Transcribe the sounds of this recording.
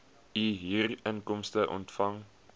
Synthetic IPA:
iɦiːrənkɔmstəʔɔ̰ntfɐŋ

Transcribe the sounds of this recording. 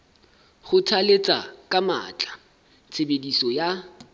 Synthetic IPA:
χʊtʰalet͡sʼakʼama̰ːt͡ɬʼḁ | t͡sʰebedisɔja

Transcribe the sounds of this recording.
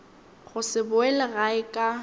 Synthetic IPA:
ɣʊsɪbʊɛlɪɣaɪkʼa

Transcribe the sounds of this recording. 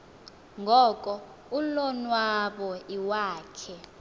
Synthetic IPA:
ŋɡʱɔːkʼɔ | ulɔnwaɓɔiwaːkʰɛ

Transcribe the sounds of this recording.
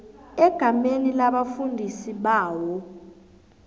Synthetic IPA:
ɛɡ̥ʱamenilaɓafundʱisiɓaːwɔ

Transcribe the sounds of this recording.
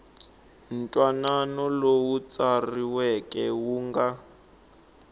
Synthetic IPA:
n̩tʼwananɔlowut͡sariwɛkʼɛwuːŋɡa

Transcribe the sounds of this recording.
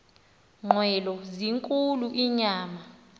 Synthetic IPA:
ŋ͡ǃʱwɛlɔziŋkʼuluʔiɲaːma

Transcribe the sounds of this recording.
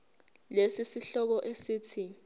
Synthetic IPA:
lesisiɬɔk̬ɔʔesiːtʰi

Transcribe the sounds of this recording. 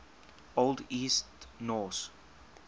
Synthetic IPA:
oldiːstnɔs

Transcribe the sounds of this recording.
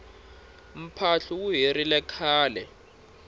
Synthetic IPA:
m̩pʰaɬuwuɦiɾilɛkʰaːlɛ

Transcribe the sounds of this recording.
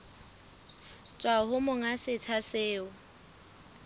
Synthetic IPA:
t͡sʼwahʊmʊŋasɪt͡sʰaseɪːʊ

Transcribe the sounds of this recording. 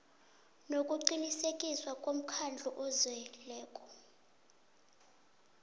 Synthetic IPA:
nokʼuǃinisekʼiswakʼom̩kʰand͡ɮʱuʔɔzwɛlɛːkʼɔ̥

